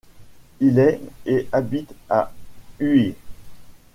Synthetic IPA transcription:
ilɛeʔabit̪aye

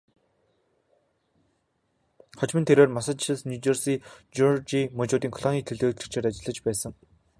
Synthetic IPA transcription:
χɔt͡ɕmɘ̆nt̪ʰeɾweːrmasə̆t̪ʰɪ̆ɮsnʲut͡ɕersiːt͡ɕurt͡ɕimɵt͡ɕʊːt̪iːŋkʰɔ̥ɮɔŋʲiːt̪ʰeɮoːt̪ɘ̥̆kt͡ɕʰeːt̪at͡ɕɪ̆ɮə̆t͡ɕpæːsə̆ŋ

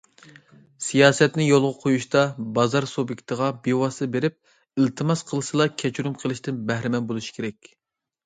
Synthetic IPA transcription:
sijɑːsɛt̪nɪjolˠʁəqʰojuʃt̪ɑbɑzɑɾsobjikʲt̪ʰəʁɑbewɑsɨbeɾɪp̚ | ilt̪ʰɨmɑsqʰəlˠɨsɨlˠɑkʲʰɛt͡ʃʰuɾumqʰəlˠɨʃt̪ɪnbɛhɾɪmɛnbolˠuʃi̥kʲʰeɾɛkʲ

